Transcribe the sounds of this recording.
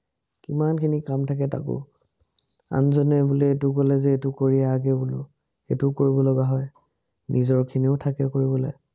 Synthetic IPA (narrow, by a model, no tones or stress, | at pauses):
kimankʰinikamtʰak̬ɛta̰kʊ̰ | a̰nzɔnɛbulɛetʊkɔlɛzɛetʊkoɹiɛaɡɛbulʊ̰ | xḛtʊkoɹibɔlɔɡaɦɔj | nizɔɹkʰiniʊtʰakɛkoɹibɔlɔj